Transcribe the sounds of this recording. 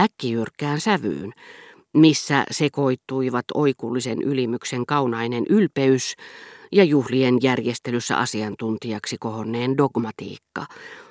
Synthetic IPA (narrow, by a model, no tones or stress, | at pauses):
ækːijyrkːæːnsæʋy̰ːn | misːæ̰sekoit̪ːˑuiʋɑt̪o̰ikuːlːisenʔylimykseŋkɑunɑinenʔylpeysjɑjuhlienjærjest̪elysːæ̰ʔɑ̰siɑnt̪unt̪iɑksikohonːeːndoɡmɑt̪ḭːkːɑ̰